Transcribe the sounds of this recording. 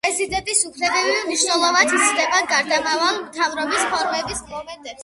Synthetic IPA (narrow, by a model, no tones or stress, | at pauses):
ɛzid̪ɛnt̪ʼisupʰɾɛbɛviniʃnɛlˠɔvat̪it̪sʰd̪ɛbaɡaɾd̪amavalˠmt̪ʰavɾɔbispʰɔɾmɛbismɔmɛnd̪ɛps